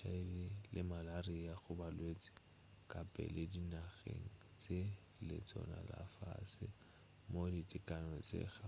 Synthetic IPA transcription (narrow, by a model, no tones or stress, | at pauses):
ʃʰaɪbɪlʔɪmalariaɣʊbalwet͡sʼɪ̥ | kʼapʼɛ̰lɪdinaɣḛŋ̩ | t͡sʼe | lɪ̰t͡sʼɔ̰na̰la̰fa̰sɪ | moditʼɪkʼanɔt͡sʼḛɣa